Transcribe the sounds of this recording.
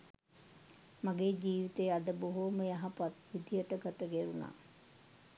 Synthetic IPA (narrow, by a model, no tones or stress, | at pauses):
maɡeːd͡ʒiːʋit̪eːad̪əboɦoməjaɦapat̪ʋid̪ijəʈəɡat̪əɡeɾuna̰ː